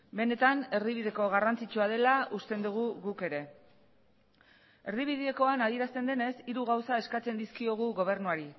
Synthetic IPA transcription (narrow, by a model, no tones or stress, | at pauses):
be̞ne̞t̪ane̞rðiβ̞iðe̞ko̞ɣ̞arant͡sit͡ʃuað̞e̞laʔust̪e̞nd̪uɣ̞uɣuke̞ɾe̞ | e̞rðiβ̞iðieko̞anað̞ie̞ɾast̪e̞nd̪e̞ne̞siɾuɣawsae̞skat͡se̞nd̪iskio̞ɣ̞uɣo̞β̞e̞ɾnuaɾi